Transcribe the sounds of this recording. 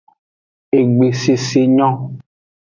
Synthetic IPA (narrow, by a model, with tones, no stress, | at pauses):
e˨ɡ͡be˨se˨se˨ɲɔ̃˦